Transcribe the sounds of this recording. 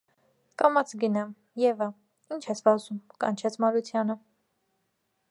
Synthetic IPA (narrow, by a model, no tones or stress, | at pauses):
kɑmɑt͡sʰɡənɑm | jɛvə | int͡ʃʰɛt͡sʰvɑzumkɑ̰nt͡ʃʰɛt͡sʰmɑɾut͡sʰjɑnə